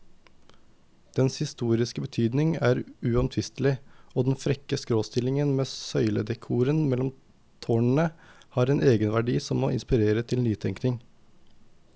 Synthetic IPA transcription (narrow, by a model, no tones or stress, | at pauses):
d̪̥ɛnshɪst̪uːɾɪskəbət̪ʰyːd̪nɪŋæːɾʉːɑmt̪ʰʋɪst̪lɪoːd̪ɛnfɾɛkəskɾoːst̪ɪlɪŋənmeːsœʏlə̰d̪ɛkʰuːɾənmɛlɔm | t̪ʰoːɳɳ̩əhɑːɾeːnʔeːɡənʋæɖiːsɔmo̰ːɪ̰nspɪɾeːɾət̪ʰɪlniːt̪ʰɛŋknɪŋ